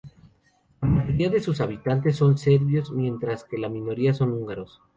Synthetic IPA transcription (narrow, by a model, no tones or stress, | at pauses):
lamaʝo̞ɾiaðe̞susaβ̞it̪ant̪e̞sːo̞nse̞ɾβjo̞zmje̞nt̪ɾaske̞lamĩno̞ɾiaso̞nuŋɡaɾo̞s